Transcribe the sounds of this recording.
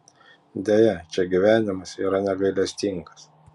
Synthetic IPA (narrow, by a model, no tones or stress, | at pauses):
d̪ʲejɛt͡ʃʲɛɡʲiʋʲæːnʲɪmɐsiːɾɐnʲɛɡɐɪlʲɛsʲt̪ʲiŋɡɐ̥s